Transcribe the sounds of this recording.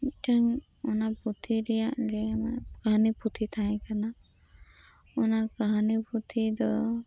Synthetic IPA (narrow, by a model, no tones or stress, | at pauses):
iʈaŋ | ɔnaput̪ʰiɾɛjaʔɡɛnakaɦaniput̪ʰit̪ʰaj̃kana | ɔnakaɦanipʰut̪ʰid̪ɔ